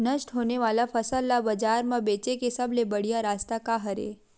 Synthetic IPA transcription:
nəʃʈɦoneʋalafʰəsəlːabəd͡ʒaɾmãbet͡ʃekesəblebəɽijaɾast̪akaɦəɾḛ

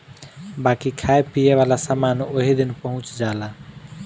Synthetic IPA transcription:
bakikʰajpijeβalasamanoɦid̪inpəɦũt͡ʃd͡ʒala

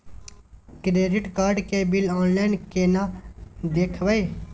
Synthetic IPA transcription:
kɾeːɖɪʈkaːɾɖkebɪlɔːnlaɪnkenad̪eːkʰʋəe

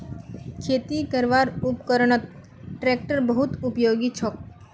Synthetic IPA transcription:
kʰet̪ikəɾʋaɾupkəɾəɳ̃ət̪̚ | ʈɾek̚ʈəɾbəɦut̪upjoɡit͡ʃʰɔk̚

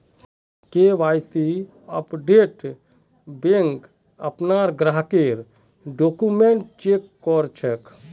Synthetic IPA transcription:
keʋaːjsi | əpɖeːʈ | beŋk | ə̰pnaːɾɡɾaɦkeɾ | ɖoːkumeɳʈ̚t͡ʃeːkːɔɾt͡ʃʰek

